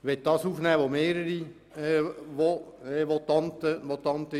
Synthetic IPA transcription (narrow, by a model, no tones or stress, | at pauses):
ʋɛt̪̚d̥ɑːsuːfnɛːʋomeːɾəɾi | ʋoɛʋɔt̪ɑnt̪əmɔt̪ɑnt̪ə